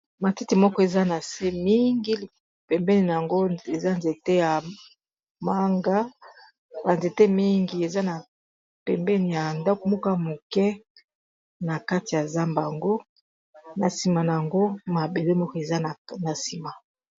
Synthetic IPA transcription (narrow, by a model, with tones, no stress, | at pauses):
ma˨ti˦ti˨mɔ˦kɔ˦e˨za˦na˨se˦mi˦ŋɡi˦˨ | pɛ˨mbɛ˦ni˨na˨a˨ŋɡo˦e˨za˦nze˨te˦ja˨ | ma˦ŋɡa˦ | ba˨nze˨te˦mi˦ŋɡi˦e˨za˦na˨ | pɛ˨mbɛ˦ni˨ja˨nda˦ko˨˦mu˦ka˦mo˨kɛ˦ | na˨ka˦ti˨ja˨za˦mba˨ŋɡo˦ | na˨si˨ma˨na˨ja˨ŋɡo˦ma˨be˨le˦mɔ˦kɔ˦e˨za˦˨na˨si˨ma˨